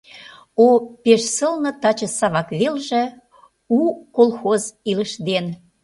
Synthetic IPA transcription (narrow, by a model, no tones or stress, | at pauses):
opeʃsɤlnɤ̆t̪ɑt͡ɕə̆sɑβɑkβelʒĕ | ukolˠxoziləʃd̪en